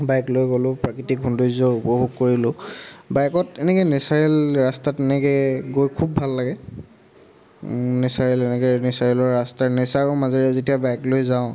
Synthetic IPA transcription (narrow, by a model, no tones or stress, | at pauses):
bajklojɡolʊ̃pɹakitik̚ːundozɔɹupɔɦuɡ̚koɹilʊ̃bajkɔtɛnɛkɔjnesaɹelɹastatɛnɛkɛɡojkʰubːʱalːaɡɛ | nɛsaɹɛlɛnɛkenɛsaɹɛlɔɹːastaɹnɛsaɹɔmazɔɹiazetijabajklojzaʊ̃